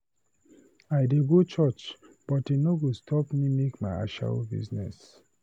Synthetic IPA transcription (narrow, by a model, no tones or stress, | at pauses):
aɪdeɡot͡ʃɔt͡ʃ | b̥ɔtenoɡostʰɔpmimekmaɪa̰ʃa̰lbḭznɛ̰s